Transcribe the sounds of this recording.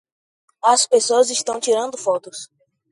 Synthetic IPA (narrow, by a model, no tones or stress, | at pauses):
ɐspesoɐziʃt̪ɐ̃w̃t͡ʃiɾɐ̃nd̪ʊfɔt̪ʊs